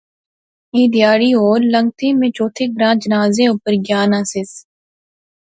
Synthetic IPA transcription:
iːd̪jaːɽiːoːɾlə̃ŋɡ̚t̪ʰẽːmẽːt͡ʃoːt̪ʰeːɡɾãːd͡ʒənaːzẽʊpəɾɡjaːnaːsɪs

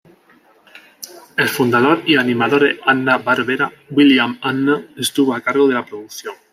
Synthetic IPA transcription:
e̞lfund̪aðo̞ɾianĩmaðo̞ɾeanːaβaɾβeɾa | wiljamanːaest̪uβoakaɾɣo̞ð̞e̞lapɾoðuθjo̞ŋ

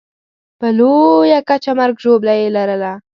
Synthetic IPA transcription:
pəlojakat͡ʃamaɾɡʒoblajelaɾəla

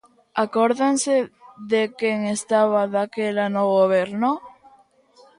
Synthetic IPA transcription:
akoɾðaŋseðekeŋest̪aβaðakelanoɣoβ̞eɾno

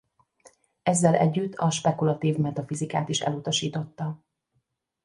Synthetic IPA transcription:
ɛzːɛlʔɛ̰ɟːyt̪ʰːɒʃpɛkulɒt̪iːvmɛt̪ɒfizikaːt̪iʃɛ̰lut̪ɒʃiːt̪o̞t̪ːɒ

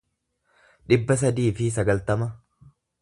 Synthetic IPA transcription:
ᶑɪbːɐs̬ɐd̪iːfɪs̬ɐɡɐlt̪ɐmɐ

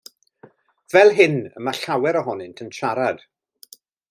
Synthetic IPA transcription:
v̥ɛlˠɦɪnə̰maɬawɛɾɔɦɔnɪntʰənʃʰaɾad̥

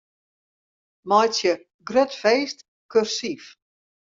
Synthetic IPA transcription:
mɔjsjə | ɡrøtfeːst | kørsif

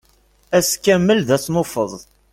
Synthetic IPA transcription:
æskːæmːəlðæθnʊfəðˤ

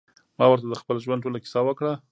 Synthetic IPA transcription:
mɑwəɾt̪ad̪əxpəlʒwan̚ʈ̬olakɪ̥sɑwəkɽa

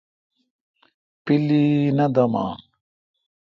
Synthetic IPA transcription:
piliːnɐd̪ɐma̰ːn

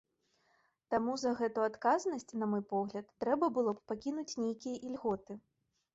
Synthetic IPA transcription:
t̪amuzɐɣɛt̪uat̪kaznɐsʲt͡sʲn̪ɐmɔjpɔɣlʲɐt̪ːɾɛbɐbɨlˠɔppakʲinut͡sʲnʲejkʲijɐʔilʲɣɔt̪ɨ

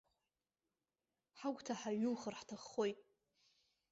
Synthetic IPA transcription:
ħaɡʷtʰaħaɥulχərħtʰaχːo̞jtʼ

